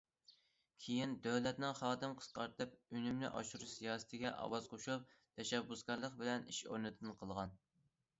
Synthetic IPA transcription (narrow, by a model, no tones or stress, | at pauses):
kʲʰijind̪øwlɛt̪nɪŋχɑːd̪ɨmqʰə̥sqɑɾt̪ʰɨp̚ynymnɪ̰ʔɑ̰ʃuɾusijɑːsɨ̥t̪ʰɪɡʲɛʔɑ̰wɑz̥qʰoʃup̚t̪ʰɛʃɛbːusɡʲɑɾlˠəqbɪlɛniʃo̰ɾnɨt̪ʰɨnqʰəlˠʁɑn